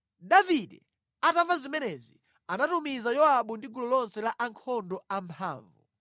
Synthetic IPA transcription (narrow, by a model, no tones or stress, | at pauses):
daviɗɛ̰ | atavazimɛnɛzi | anatumizajɔaɓundiɡulɔlɔnsɛlaʔaŋkʰɔndɔampʰa̰ːɱvṵ